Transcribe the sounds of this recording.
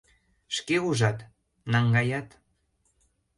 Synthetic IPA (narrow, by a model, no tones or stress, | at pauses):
ʃkeuʒɑt̪ | nɑŋɡɑjɑt̪